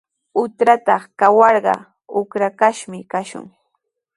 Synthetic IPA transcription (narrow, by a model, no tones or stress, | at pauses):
ʊt̪ɾat̪ɑχkawɑɾɢɑ̰ | ʊkɾakaʃmɪkaʃʊ̰ŋ